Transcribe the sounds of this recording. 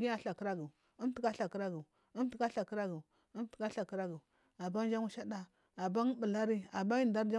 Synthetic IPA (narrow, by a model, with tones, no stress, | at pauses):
ɡi˦a˨ɬa˨ki˦ɾa˦ɡi˨ | u˦m˦ti˦ka˦ɬa˨ki˦ɾa˦ɡi˨ | u˦m˦ti˦a˦ɬa˨kɾa˦ɡi˨ | u˦m˦ti̥˦ka˦ɬa˨ki˦ɾa˦ɡi˨ | a˨ba˦n˦d͡ʒa˦ŋu˦ʃa˦da˦ | a˨ba˦ŋ˦bə˨la˦ɾi˦a˨ba˦ji˦da˦ɾd͡ʒa˦